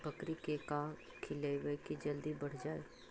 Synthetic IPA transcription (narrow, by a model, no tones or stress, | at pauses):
bəkɾikeka | kʰɪleʋəkid͡ʒɐld̪ibɐɽ̤d͡ʒaːḛː